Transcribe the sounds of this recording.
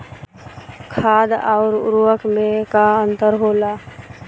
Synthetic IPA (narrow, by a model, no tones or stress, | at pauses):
kʰaːd̪ɔːɾʊ̰ɾuwəkmẽkaə̃nt̪əɾɦoːlaː